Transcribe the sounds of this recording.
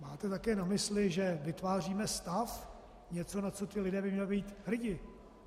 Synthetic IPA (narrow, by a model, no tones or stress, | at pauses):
maːt̪ɛt̪akɛːnamɪslɪʒɛvɪt̪vaːriːmɛst̪af | ɲɛt͡so̞nat͡so̞t̪ɪlɪdɛːbɪmɲɛlɪbiːt̪hr̩ɟɪ